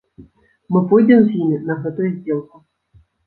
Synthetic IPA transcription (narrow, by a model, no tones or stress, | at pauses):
mɨpɔjd̪ʲɛmzʲjimʲinɐɣɛt̪ʊjʊzʲdʲelˠkʊ